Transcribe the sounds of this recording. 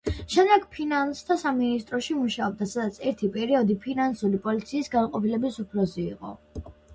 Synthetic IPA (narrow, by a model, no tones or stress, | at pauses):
ʃɛmd̪ɛɡpʰinanst̪ʰasaminist̪ʼɾɔʃimuʃaɔb̚d̪atsad̪at̪sʰɛɾt̪ʰipʼɛɾiɔd̪ipʰinansulipʼɔlit̪sʰiːsɡanqʼɔpilɛbisupʰlɔziḭqʼɔ̰